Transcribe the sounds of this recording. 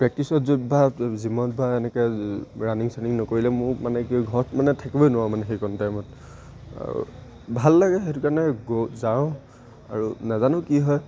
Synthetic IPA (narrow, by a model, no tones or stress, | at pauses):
pɹɛk̚tisɔtzobazimɔtbaɛnɛkɛɹaniŋsaniŋnɔkoɹilɛmʊmanɛkiɡʱɔɹɔtmanɛtʰakibɔjnʊwãmanɛxejkɔntajmɔt | a̰ṵ | bʱalːaɡɛɦetʊkaɹnɛɡozã | a̰ɹunazanʊ̃kiɦɔj